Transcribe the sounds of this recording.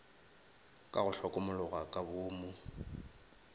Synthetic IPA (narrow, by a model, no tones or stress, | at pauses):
kʼaɣʊɬɔkʼʊmʊlʊɣakʼabʊːmʊ